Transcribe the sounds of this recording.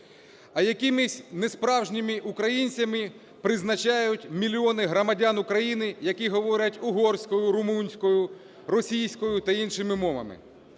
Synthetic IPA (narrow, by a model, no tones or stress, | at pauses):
ɐjɐkimɪsʲnespɾɑwʒnʲɪmɪʔukɾɐjinʲt͡sʲɐmɪ | pɾɪznɐt͡ʃɑjʊtʲmʲilʲiɔnɪɦɾɔmɐdʲanʊkɾɐjinɪjɐkiɦɔʋɔɾʲɐtʲʊɦɔrsʲkɔjʊɾʊmunʲsʲkɔjʊ | rɔsʲijsʲkɔjʊt̪ɐinʃɪmɪmɔmɐ̰mɪ̰